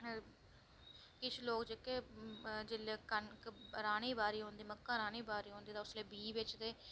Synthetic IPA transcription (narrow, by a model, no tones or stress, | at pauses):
kɪt͡ʃʰloːkd͡ʒekeːd͡ʒɪleːkənkɾaːniːbaːɾiːɦõːnd̪iːməkːãːɾaːniːbaːɾiːɦõːnd̪iːd̪aːʊsleːbiːʋɪt͡ʃd̪eː